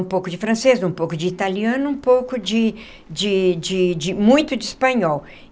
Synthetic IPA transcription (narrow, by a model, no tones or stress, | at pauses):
ũpowkʊd͡ʒɪfɾɐ̃sezũpowkʊd͡ʒɪit̪aliɐ̃nʊũpowkʊd͡ʒɪ | d͡ʒɪd͡ʒɪd͡ʒɪmũj̃t̪ʊd͡ʒɪispɐ̃ɲɔw